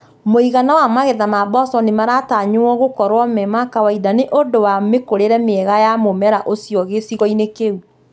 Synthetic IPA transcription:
moiɣanawamaɣeðamabɔsɔnemaɾataɲoɔɣokɔɾwɔmɛmakawaidaneʔondowamekoɾeɾɛmeɛɣajamomɛɾaʔosjɔɣesiɣɔinekeu

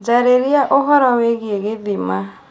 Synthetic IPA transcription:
d͡ʒaɾeɾiaʔɔɦɔɾaweɡieɡedima

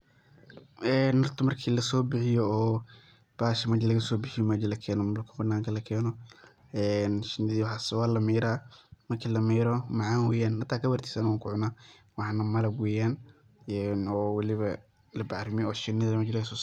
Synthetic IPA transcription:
ʔɛːnːɐrt̪ʰʊmɐrkʰiːlɐsɔːbɪħɪjɔɔː | b̥aːʃɐmɐd͡ʒlɐɣɐsɔːbɪħɪjɔmɐːd͡ʒɐlɐkʰɛːnɔmɐlkʰɐbɐnːaːŋkʰɐlɐkʰɛːnɔ | ɛːnʃɪnːɪðiːwħasɛwaːlɐmiːɾaːmɐrkʰiːlɐmiːɾɔmɑʕaːnwɛːjaːnhɐt̪ʰːaːkʰɐbɐrt̪ʰi̥ːsɐnwaːŋkʰʊʕʊnaː | wɑħɑnɐmɐlɐbwɛːjaːn | ɛːnɔːwlɪβɐ | lɐbaɾɪmɪɔːʃɪnːɪðɐɐmɐːd͡ʒlɐɣɐsɔː

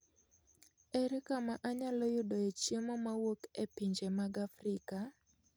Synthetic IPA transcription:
ɛɾɛkamaʔaɲalɔjʊdɔet͡ʃemɔmawokepiɲd͡ʒemaɡafrɪka

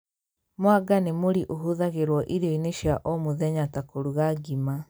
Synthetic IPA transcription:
moaɡanemoɾiʔoɦuðaɣeɾwɔʔiɾoineʃjaʔɔmoðɛɲatakoɾuɣaɡima

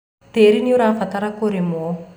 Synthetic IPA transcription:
t̪eːɾiniuɾafat̪aɾakoɾimu

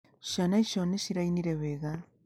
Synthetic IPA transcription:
ʃanaiʃoneʃiɾainiɾeβeɣa

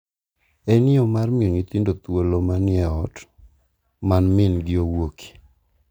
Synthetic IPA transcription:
ɛnɪɔmarmɪoŋit̪indot̪wolomanɪɛɔt | manmɪnɡɪowokʰi̥

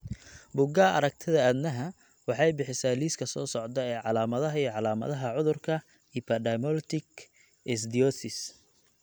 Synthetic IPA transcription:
bʊɡaːʔɐ̰ɾɐk̚t̪ʰɪðɐæd̪nɐɦɐ | wɑħɑjbɪħɪsaːliːskʰɐsɔːsɔʕd̪ɐɛːʕɑlaːmɐðɐɦɐijʕɑlaːmɐ̰ðɐɦɐʕʊðʊrkʰɐ | ipʰɐɖɐmɔlt̪ʰɪk | ɛsd̪iɔsɪs

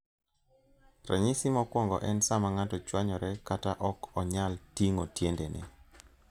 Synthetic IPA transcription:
rɛ̰ɲɪsɪmɔkwɔŋɡɔ̰ʔɛnsamaŋatɔt͡ʃwaɲɔɾɛkataʔɔkɔɲaltiŋotjendenɛ̰

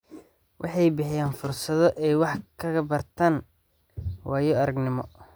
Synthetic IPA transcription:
wʔɑ̰ħɑjbɪħɪjaːnfʊrsɐðɔʔɛjwɑħkʰɐɣɐbɐrt̪ʰaːn | wɑːjɔɐɾɐɡnɪmɔ̰

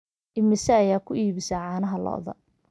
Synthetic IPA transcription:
ʔɪmɪsɛɐjaːkʰʊʔiːβɪsɐʕɑːnɐɦɐlɔ̰ʔðɐ̰

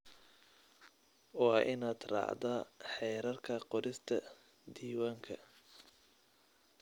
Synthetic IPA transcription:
wɑːʔɪnaːd̪rɑ̰ːʕd̪ɐħɛːɾɐrkʰɐqɔɾɪst̪ʰɐ | d̪iːwaːŋkʰɐ̰

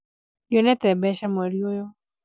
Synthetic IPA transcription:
jonɛt̪ɛbɛʃamoɾjojo

